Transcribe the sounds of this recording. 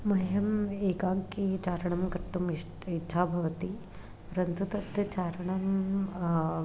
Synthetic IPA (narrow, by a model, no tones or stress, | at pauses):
mɐɦjɐmeːkaːɡkit͡ʃaːɾɐɳ̃ɐmkɐɾt̪umi | itːʃʰaːbʱɐʋɐt̪i | pɾɐnt̪ut̪ɐt̪jɐt͡ʃaːɾɐɳɐm